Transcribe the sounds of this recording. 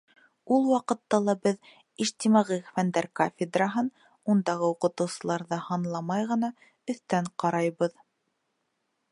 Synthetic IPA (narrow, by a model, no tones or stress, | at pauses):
ulˠwɑqɤ̆t̪ːɑlˠɑbɘð | iʃt̪imɑʁɤxfænd̪æɾkofʲɪd̪raɦɤn | und̪ɑʁɤuqɤ̆t̪ɤ̆wsɤ̆lˠɑɾðɑhɑnlˠɑmɑjʁɤ̆nɑ | ɵ̆θt̪æɴqɑɾɑjβɤð